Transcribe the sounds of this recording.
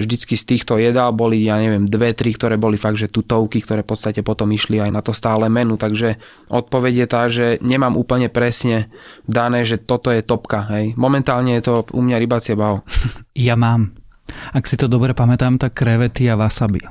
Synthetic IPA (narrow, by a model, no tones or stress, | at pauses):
ʒd̪it͡skist̪iːxt̪ɔjɛd̪albɔlijaːɲɛʋɪɛmd̪ʋɛt̪ɾikt̪ɔɾɛːbɔlifaɡ̚d̪ʒɛt̪uːt̪ɔʊkikt̪ɔɾɛːfpɔt̪st̪acɛpɔt̪ɔmiʃliajnat̪ɔst̪aːlɛːmɛnut̪aɡʒɛ | ʔɔt̪̚pɔʋɛɟjɛt̪aːʒɛɲɛmaːmʔuːpl̩ɲɛpɾɛsɲɛd̪anɛːʒɛt̪ɔt̪ɔjɛt̪ɔpkaɦɛjmɔmɛnt̪aːlɲɛjɛt̪ɔʔṵmɲaɾibat͡sɪɛbaɔjamaːm | aksit̪ɔd̪ɔbɾɛpamɛt̪aːmt̪akːɾɛʋɛt̪iaʋasabḭ